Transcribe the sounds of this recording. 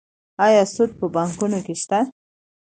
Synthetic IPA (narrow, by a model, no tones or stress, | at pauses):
ɑjɑsud̪̚pəbaŋkunokeʃt̪a